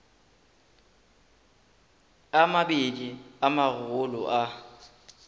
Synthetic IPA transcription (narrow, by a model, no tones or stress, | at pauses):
amabediamaɣʊlʊʔa